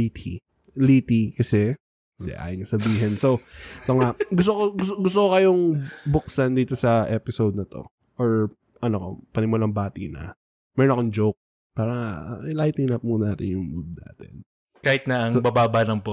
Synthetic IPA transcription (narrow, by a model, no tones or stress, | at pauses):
it̪ʰi | liːt̪ikɐsɛ | ɪnd̪ɛ̰ʔa̰ːjɪnkɐsɐbiːɦɛnsot̪oŋaɡʊs̬t̪okoɡʊɡʊs̬t̪okokɐjoŋbʊksand̪iːt̪o̞sɐʔɛpɪsowd̪̚nɐt̪o̞̰ | ʔoɹ | ʔɐnoko̰pɐnɪmʊlaŋbaːt̪ḭnɐ̰ | mɛɾonɐkoŋd͡ʒowk̚ | paːɾɐlajt̪ɪnap̚muːnaːt̪ɪnjʊŋmud̪̚na̰ːt̪ɪ̰n | kaːhɪt̪̚nɐʔɐŋbabaːbalɐŋpo